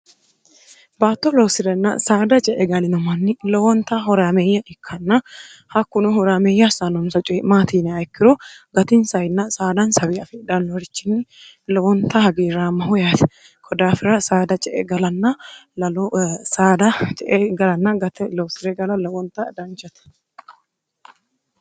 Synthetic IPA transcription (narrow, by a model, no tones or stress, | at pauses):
baːt̪ːolɔwsɪɾɛnːa̰saːd̪ɐt͡ʃʼɛʔɛɡɐlɪnɔmɐnːɪlɔwɔnt̪aɦɔɾaːmeːjːɐʔɪkʰːɐnːahɐkːʊnʊhɔɾaːmeːjːasanɔmsɐt͡ʃʼɛmaːt̪iːnɛɐɛkːɪɾɔɡɐt̪insɐjɪnːasaːd̪ɐnsɐwiɐfɛᶑɐnːwɔɾɪt͡ʃːɪnːɪ | lɔwɔnt̪ahɐɡiːɾaːmːɐhʊjaːt̪ɛ̥ | kʰɔd̪aːfɪɾɐsaːd̪ɐt͡ʃʼɛʔɛɡɐlɐnːa | saːd̪ɐt͡ʃʼɛʔɛɡɐlɐnːaɡɐt̪ɛlɔsɪɾɛɡɐlɐlɐwɔnt̪ad̪ɐnt͡ʃɐt̪ɐ̥